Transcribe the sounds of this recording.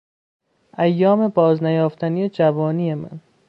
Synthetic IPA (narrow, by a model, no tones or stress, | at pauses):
ʔæjːɒːme̞bɒːznæjɒːft̪ʰænijed͡ʒævɒːniːemæ̰n